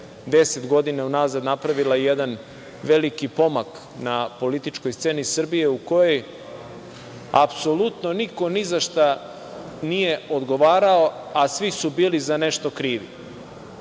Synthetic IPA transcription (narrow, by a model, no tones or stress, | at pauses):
d̪e̞set̪ɡo̞d̪inaunaːzad̪napɾaʋilajjed̪an | ʋe̞likipo̞mak | napo̞lit̪it͡ʃko̞jst̪se̞ːnisr̩bije̞uko̞jo̞j | a̰pso̞lut̪no̞niko̞nizaʃt̪a | nije̞o̞d̪ɡo̞ʋaːɾao̞asʋisubiːlizane̞ʃt̪o̞kɾiːʋḭ